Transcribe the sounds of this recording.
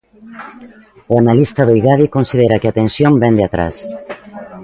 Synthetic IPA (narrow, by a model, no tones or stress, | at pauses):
uanalist̪aðojɣaðikonsiðeɾakeat̪ensjõmbɛnd̪eat̪ɾa̰s